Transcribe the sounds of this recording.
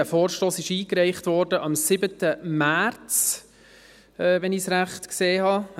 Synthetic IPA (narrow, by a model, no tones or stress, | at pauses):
æfoːɾʃtoːsɪʃiːkɾæɪχtvɔːɾdəʔɑmsɪbətəmæɾt͡s | ɛʋɛnɪsɾæχtkseːhɑ